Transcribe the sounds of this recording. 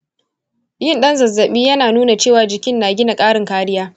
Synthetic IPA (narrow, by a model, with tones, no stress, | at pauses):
jɪ˦nɗɐ˦nzɐ˨zːɐ˨ɓiː˦jɐ˦naː˨nuː˦na˨t͡ʃeː˦˨waː˨d͡ʒɪ˨kʲɪ˦nːaː˨ɡʲɪ˦na˨kʼaː˦ɽɪ˨ŋkaː˦ɽɪ˦jaː˦